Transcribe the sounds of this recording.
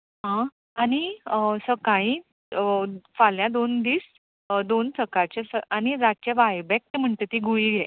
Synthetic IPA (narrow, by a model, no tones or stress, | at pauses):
ɦã | anisəkaĩ | faljãd̪ond̪iːs | d̪onsəkaɾt͡ɕesəañiɾat̪̚t͡ɕeʋajbɛk̚t̪em̤əɳt̪et̪iːɡuiːɡʱe